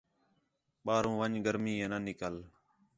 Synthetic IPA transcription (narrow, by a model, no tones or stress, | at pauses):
ɓaːɾũːʋəɲɡəɾmiːẽːnənɪkəl